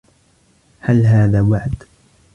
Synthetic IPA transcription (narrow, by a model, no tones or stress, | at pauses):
halɦaːðaːwaʕd̪